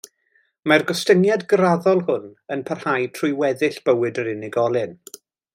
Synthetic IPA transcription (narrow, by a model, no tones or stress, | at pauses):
marɡɔstənjadɡraðɔlˠhʊnənpʰarhajtʰrʊjwɛðɪɬb̥əwɨdəɾɪnɪɡɔlˠɨn